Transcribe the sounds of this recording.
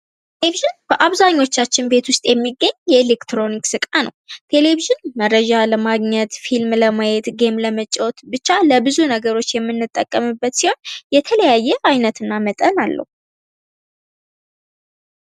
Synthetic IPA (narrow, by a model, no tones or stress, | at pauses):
t̪eleviʒɨnb̥əʔaβzaɲːo̞t͡ʃːat͡ʃːɪnbe̞t̪wʊst̪ʼjɛmːiɡːəɲjɛele̞kt̪ɾo̞niksɨkʼanə̰wt̪ʰe̞le̞viʒɨɪnmərːəd͡ʒaləmaɡɲɛt̪filmləmajɛt̪ɡe̞mləmət͡ʃʼːo̞t̪bɨt͡ʃːaləbɨzunəɡəɾo̞t͡ʃːjɛmːɨnːɨt̪ʼːəkʼːəmɨbːət̪siho̞njɛt̪ʰələjajːɛʔajnət̪ɨnːamət̪ʼənalːə̰hu